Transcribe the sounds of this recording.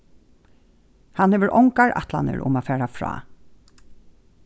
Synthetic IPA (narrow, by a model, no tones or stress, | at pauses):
hanheːʋəɾʔɔŋkaɹʔa̰t̪la̰nə̰ɹʔʊ̰maːfæːɹafɹɑ̰ː